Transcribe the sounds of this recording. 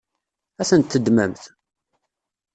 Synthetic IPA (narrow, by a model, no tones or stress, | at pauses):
æθənt̪ːəd̪mæ̰mθ